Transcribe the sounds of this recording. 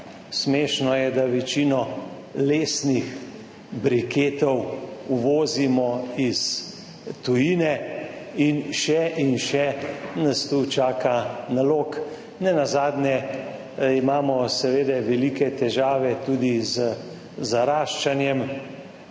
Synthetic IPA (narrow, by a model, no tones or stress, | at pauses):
smeːʃnɔjɛd̪aʋɛt͡ʃiːnɔ | leːsnix | bɾikeːt̪ɔwuʋɔːzimɔis | t̪ujiːnɛinʃɛʔinʃɛnast̪ut͡ʃaːkanaloːk | nɛnazaːd̪njɛ | imaːmɔsɛʋeːd̪ɛʋɛliːkɛt̪ɛʒaːʋɛt̪uːd̪izə | zaɾaːʃt͡ʃanjɛm